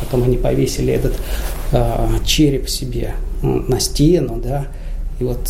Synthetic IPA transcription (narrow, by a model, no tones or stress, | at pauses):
pɐt̪o̞mɐnʲipɐvʲesʲɪlʲɪɛt̪ət̪ | t͡ɕeɾʲɪpsʲɪbʲḛnɐsʲtʲenʊd̪a | ivo̞t̪